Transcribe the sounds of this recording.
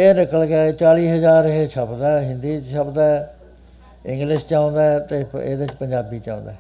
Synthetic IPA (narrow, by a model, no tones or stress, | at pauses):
eːnɪkəlɡɛːt͡ʃaːliːɦəzaːɾɦet͡ʃʰəpd̪aːɦɪ̃nd̪iːt͡ʃʃʰəbd̪a | ɪ̃ŋɡlɪʃt͡ʃãːʊ̃nd̪aːt̪eːḛːd̪et͡ʃpəɲd͡ʒaːbiːt͡ʃã̰ːnd̪aː